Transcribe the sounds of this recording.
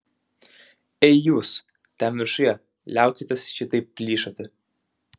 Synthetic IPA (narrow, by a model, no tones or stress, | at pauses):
ɛɪjuːs | t̪ʲæmʋʲɪɾʃʊjɛ | lʲæˑʊkʲɪt̪ʲesʃʲɪt̪ɐɪp̚pʲlʲiːʃot̪ʲɪ